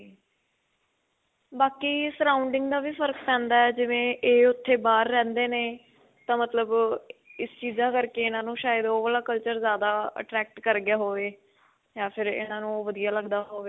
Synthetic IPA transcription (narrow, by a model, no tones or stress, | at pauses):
baːkiːsəɾaːʊɳɖɪŋɡd̪aːʋiːfʰəɾkpɛ̃ːnd̪aːɛːd͡ʒɪʋẽːʔeːʊt̪ʰːeːbaːɾːɛ̃ːnd̪eːneː | t̪ãːmət̪ləbɪst͡ʃiːzaːkəɾkeːɪnãːnũːʃaːjəd̪oːʋəlaːkəlt͡ʃəɾzjaːd̪aːə̰ʈɾɛːk̚ʈkəɾɡɪjaːɦoːʋeː | jaːpʰɪɾɪ̰nãːnũːʋəd̪ijaːləɡd̪aːɦoːʋeː